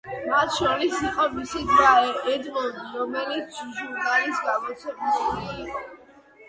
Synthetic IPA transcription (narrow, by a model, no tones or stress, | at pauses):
mat̪ʰʃɔɾisiqʼɔmisid̪vaɛd̪vɔlˠd̪iɾɔmɛlit̪sʰʒuɾnalisɡamɔt̪sʰɛbismiiɔ